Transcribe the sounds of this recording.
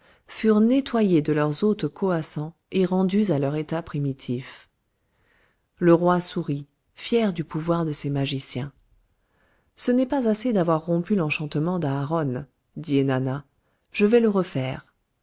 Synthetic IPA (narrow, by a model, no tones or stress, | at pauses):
fyʁnet̪wajed̪əlœʁzot̪kɔasɑ̃ | eʁɑ̃d̪yzalœʁet̪apχimit̪ʰif | ləʁwasuʁi | fjɛʁd̪ypuvwaʁd̪əsemaʒisjɛ̃ | sənɛpazased̪avwaʁːɔ̃pylɑ̃ʃɑ̃t̪əmɑ̃d̪aːʁɔn | d̪ienana | ʒ̥əvɛləʁəfɛːʁ